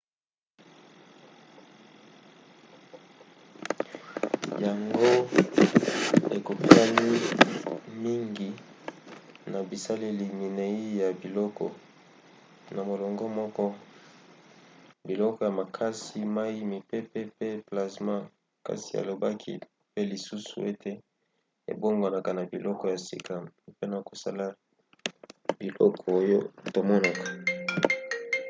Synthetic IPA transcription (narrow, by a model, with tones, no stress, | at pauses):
ja˨ŋɡo˦ | e˨ko˨pi˦a˦ni˦ | mi˦ŋɡi˨ | na˨bi˨sa˦le˦li˨mi˨ne˨i˦ja˨bi˨lɔ˦kɔ̰˨ | na˨mo˨lɔ˨ŋɡɔ˦mɔ˦kɔ˦ | bi˨lɔ˦kɔ˨ja˨ma˨kʰa˦si˦ma˦ji˦mi˨pe˦pe˦pe˦pla˨sma˦ | ka̰˨si˨a̰˨lo˨ba˦kʰḭ˦ | pe˦li˨su˦sṵ˨e˦tʰe˦ | ḛ˨bo˦ŋɡa˨na˨ka˨na˨bi˨lʔɔ˦kɔ˨ja˨sḭ˦˨ka˨˦pe˦na˨ko˨sa˦la˦ | bi˨lɔ̰˦kʰɔ˨o˦jo˦to˨mɔ˦na˨kḁ˨